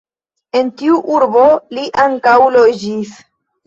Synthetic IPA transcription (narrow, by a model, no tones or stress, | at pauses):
e̞ntiuʔuɾbo̞liʔaŋkawlod͡ʒis